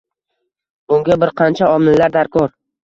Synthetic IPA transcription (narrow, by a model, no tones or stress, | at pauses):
bʊŋɡʲabɪɾqʰɑnt͡ʃʰaɒmɪlːaɾd̪aɾkʰɒɾ